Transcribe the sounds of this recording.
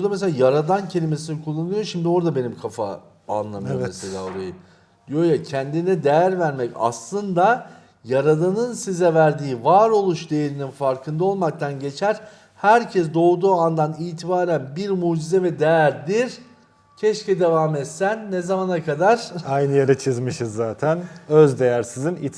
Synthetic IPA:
uɾd̪ames̬elʲaːjaɾad̪ancʰe̞lʲime̞sinikʰulˠːanɯjoʃimd̪io̞ɾd̪abe̞nimkʰafa̰ | a̰nlˠamɯomeselʲa̰ːoɾa̰jɯ | d̪ijojacʰɛnd̪inɛd̪ejæɾvæɾmɛca̰slˠɯnd̪a | jaɾad̪anɯnsizɛvæɾd̪iːvaːɾo̞lˠuʃd̪ejeɾininfaɾkʰɯnd̪ao̞lˠmak̚t̪ʰanɟe̞t͡ʃʰæɾ | hæɾcʰɛs̬d̪o̞ːd̪uːand̪aniːt̪ʰibaːɾænbiɾmuːd͡ʒizɛvɛd̪ejæɾd̪iɾ | cʰɛʃcɛd̪e̞vaːmɛt̪sænːezamanakʰad̪aɾ̥ajnɯjaɾɯt͡ʃʰɯzmɯʃɯzːaːt̪ʰænøzd̪ejæɾsizinit̪

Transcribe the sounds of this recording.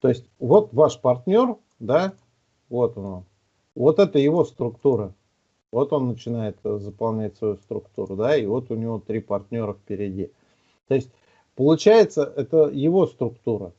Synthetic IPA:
t̪o̞ɪsʲtʲvo̞t̪vaʂpɐrt̪ʲnʲo̞r | d̪a | vo̞t̪onon | vo̞t̪ɛt̪əjɪvo̞st̪ɾʊkt̪uɾə | vo̞t̪onːət͡ɕɪnajɪt̪zəpɐlˠnʲætʲsvɐjust̪ɾʊkt̪uɾʊd̪aivo̞t̪ʊnʲɪvo̞t̪ɾʲipɐrtʲnʲo̞ɾəfpʲɪɾʲɪdʲḭ | t̪o̞ɪsʲtʲ | pəlˠʊt͡ɕæjɪt̪səʔɛt̪əjɪvo̞st̪ɾʊkt̪uɾə

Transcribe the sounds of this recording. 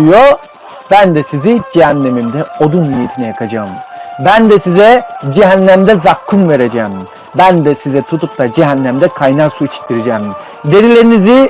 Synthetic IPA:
jo | bænd̪ɛsizid͡ʒeɦænːe̞mimd̪ɛod̪unmijit̪ʰinɛjakʰad͡ʒaːmbænd̪ɛsizɛd͡ʒeɦænːæmd̪ɛzakʰːumve̞ɾed͡ʒɛːm | bænd̪ɛsizɛt̪ʰut̪up̚t̪ad͡ʒeɦænːæmd̪ɛkʰajnaːsuit͡ʃʰi̥t̪ʰːiɾed͡ʒɛːm | d̪e̞ɾilʲe̞ɾinizi

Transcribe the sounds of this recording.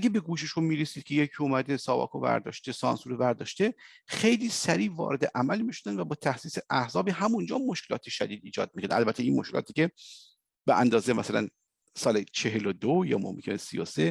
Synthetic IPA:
ʔæɡebeɡuːʃeʃommiːɾesiːd̪̥̚kʲʰe̞jecʰiomæd̪esɒːbɒ̰ːkʰovæ̰ɾd̪ɒ̰ːʃt̪e̞sɒ̰ːnsuːɾevæɾd̪ɒːʃt̪e | xe̞jliːsæɾiːvɒ̰ːɾe̞d̪eʔæmælmiʃod̪ænd̪væbɒːt̪ʰæhsiːseʔæhzɒːbiːɦæmund͡ʒɒːmoʃkʰe̞lɒːt̪ʰeʃæd̪iːd̪iːd͡ʒɒ̰ːd̪̚mikʰond̪̰ʔælbæt̪ʰːeinmoʃkʰelɒ̰ːt̪ʰiːcʲe | b̥eʔænd̪ɒːzejmæsælæ̰n | sɒːlet͡ʃʰeɦelod̪ojɒ̰ːmo̰mkʰenesḭose

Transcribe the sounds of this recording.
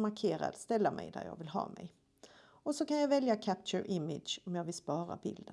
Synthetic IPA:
maɾkʰeːɾa̰d̪st̪ɛlːamʔɛ̰jd̪æ̰ɾjɑ̰ːɡvɪlɦɑ̰ːmɛj | ɔsɔkanjɑvɛljakʰæp̚t͡ʃəɾʔɪmɪd̪ʃɔmjɑːɡvɪlspɑːɾa̰bɪ̰ld̪ə

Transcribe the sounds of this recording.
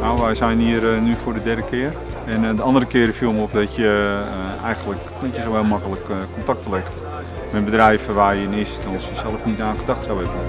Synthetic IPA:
nawʋɛjsɛjniərnyfʊːdədɛrdəkʰɪərɛndəɑndərəkɪərəfilˠmɔp̚dɔtjə | ɛjɣəndlək | dɔtjəsowʋɛlˠmakələkkːɔntak̚təlɛxt | mɛtbədrɛjvəʋaːjəɪnɪsstɔnsjəsɛlˠəfnitaːnχədaxtsawɛbən

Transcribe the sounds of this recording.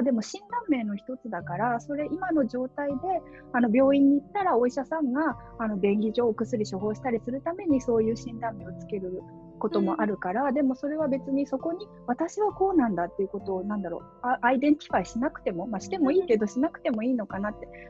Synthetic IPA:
maːd̪e̞mo̞ɕĩnd̪ãmːe̞ːno̞çi̥t̪o̞t͡sɨd̪akaɾaso̞ɾe̞ʔimano̞ʑo̞ːt̪aid̪e̞ | ano̞bʲo̞ːĩɲ̟ːiːt̪ːaɾao̞iɕasãŋɡaː | no̞bẽ̞ŋɡʲiʑo̞ːkɯ̟sɨɾʲiɕoɦo̞ːɕi̥t̪aɾʲisɨɾɯ̟t̪ame̞ɲ̟iso̞ːjɯ̟ːɕĩnd̪ãmːe̞ːo̞t͡sɨ̥ke̞ɾɯ̟ | ko̞t̪o̞mo̞ʔaɾɯ̟kaɾad̪e̞mo̞so̞ɾe̞βabe̞t͡sɨɲ̟iso̞ko̞ɲ̟i | β̞at̪aɕiβako̞ːnãnd̪at̪ːe̞iɯ̟ko̞t̪o̞ːnãnd̪aɾo̞̰ | aaid̪ẽ̞ŋkʲi̥kaiɕinakɯ̟̥t̪e̞mo̞maɕi̥t̪e̞mo̞iːke̞d̪o̞ɕinakɯ̟̥t̪e̞mo̞iːno̞kanat̪ːe̞

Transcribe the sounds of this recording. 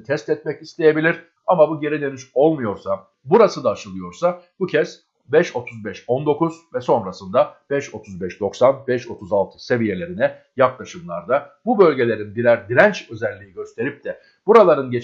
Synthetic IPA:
t̪ʰɛst̪ɛt̪̚mɛcist̪e̞je̞bilʲiɾ | amabuɟe̞ɾid̪enyʃo̞lˠmujo̞ɾsa | buɾasɯd̪aːʃɯlˠɯjo̞ɾsabucʰɛz̥ | bɛʃo̞t̪ʰuzbɛʃo̞nd̪o̞kuzvɛso̞nɾasɯnd̪ab̥ɛʃo̞t̪ʰuzbɛʃd̪o̞ksanbɛʃo̞t̪ʰuzalˠt̪ʰɯ̥se̞vije̞lʲe̞ɾinɛ | jaklˠaʃɯmlˠa̰ɾd̪abubø̞lʲɟe̞lʲe̞ɾinbiɾæɾd̪iɾænt͡ʃø̞zælʲːijiɟø̞st̪ʰe̞ɾip̚t̪ʰɛ | b̥uɾalˠaɾɯnɟe

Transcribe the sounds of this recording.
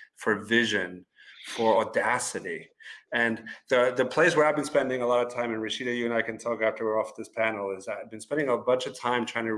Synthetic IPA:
fə˞vɪʒɨ̃n | fə˞ɔdæsɨɾiɨ̃nðɨðɨpʰl̥eɪswə˞aɪvbɨ̃nspɛ̃ndɪ̃ŋəlɔɾʌv̥tʰãɪ̃mɨ̃nɹɨsiɾɨjɨɨ̃naɪkɨ̃ntʰɔkæftə˞wiɹɔfðɪspʰænl̩ˠɪzaɪvbɨ̃nspɛ̃ndɪ̃ŋəbʌ̃nt͡ʃʌv̥tʰãɪ̃mtʰɹ̥aɪɪ̃ŋtʰɨ

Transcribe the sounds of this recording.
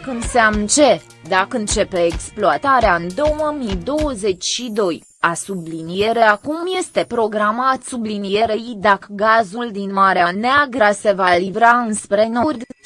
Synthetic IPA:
kɨnseamnt͡ʃe̞ | d̪akɨnt͡ʃe̞pe̞ːksploat̪aɾeaɨnd̪o̞wəmid̪o̞wəze̞t͡ʃʲʃid̪o̞j | asublinije̞ɾe̞akumje̞st̪e̞pɾo̞ɡɾamat̪sublinije̞ɾejd̪akəɡazuld̪inmaɾeaneaɡɾəse̞valivɾaɨnspɾe̞norʲ

